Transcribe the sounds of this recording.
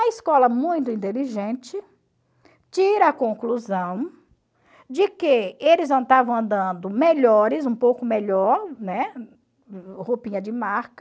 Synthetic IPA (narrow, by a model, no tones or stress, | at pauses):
ɐɪskɔlɐmũj̃t̪ʊĩnt̪eliʒẽnt͡ʃɪ | t͡ʃiɾɐːkõkluzɐ̃w̃ | d͡ʒɪkɪelɪznɐ̃w̃t̪avɐ̃w̃ɐ̃nd̪ɐ̃nd̪ʊmeʎɔɾɪzũpowkʊmeʎɔɾnɛ | hopĩɲɐd͡ʒɪmaɾkɐ